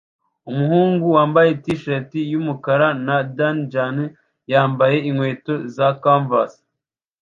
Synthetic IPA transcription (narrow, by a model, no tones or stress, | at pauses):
umuhuːŋɡuwaːmbajetiʃetijumukaɾanadand͡ʒan | jaːmbaje̞iŋweːto̞zakaɱvas